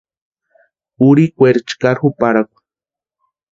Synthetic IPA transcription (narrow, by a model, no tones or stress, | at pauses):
uɾikʷeɾt͡ʃkaɾxupaɾakʷḁ